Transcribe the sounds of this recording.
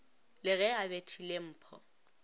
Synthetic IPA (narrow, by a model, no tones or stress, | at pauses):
lɪɣɛabetʰilem̩ːpʰɔ̰